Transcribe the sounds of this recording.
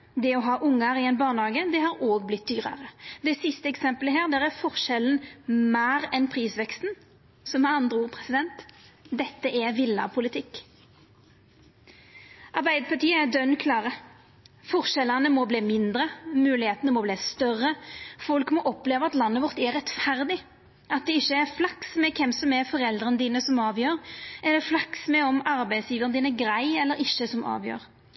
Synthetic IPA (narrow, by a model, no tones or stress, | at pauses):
d̪ɛɔɦɑːʔʊŋːəɾɪɛnbɑːʁnhɑːɡəd̪ɛɦɑːɾoːɡblɪt̪̚d̪yːʁə̰ʁəd̪ɛsɪst̪əɛksɛmpələɦæːʁd̪ɛːʁæɾfɔʁʃɛlnmæːɾɛnpʰʁiːsʋɛkst̪n̩ | sɔmɑɑnd̪ʁəuːʁpʰʁɛsɪd̪ɛnt̪d̪ɛt̪ːəʔɛʋɪlːɑ̰pʰʊlɪt̪ʰɪkː | ʔɑʁbæɪd̪əpɑʈiːəæd̪œnkʰlɑːʁə | fɔʁʃɛlənəmɔbliːmɪnd̪ɾəmʉːlɪheːt̪ənəmɔbliːst̪œrəfɔlkmɔʔɔpleːʋəɑt̪lɑnːəʋɔʁt̪ɛʁɛt̪fæɾd̪ɪ | ɑt̪̚d̪ɛɪçːəæɾflɑksmɛkʰɛmsɔmɛfɔɾɛld̪ʁənəd̪iːnəsɔmɑːʋjøːɾɛd̪ɛflɑksmɛɔmɑɾbæɪsjiːʋəʁənd̪iːnɛɡɾæɪɛlːəɾɪʃːəsɔmɑ̰ːʋjø̰ːɾ